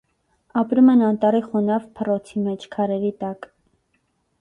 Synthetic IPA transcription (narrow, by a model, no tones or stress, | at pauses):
ɑpɾumɛnɑnt̪ɑɾiχɔnɑvpʰərɔt͡sʰimɛt͡ʃʰkʰɑɾɛɾit̪ɑk